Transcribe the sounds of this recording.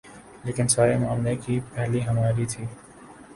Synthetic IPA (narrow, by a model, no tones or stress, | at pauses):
leːkɪnsaːɾemʊaːmlekipɛɦliɦɐmaːɾit̪ʰiː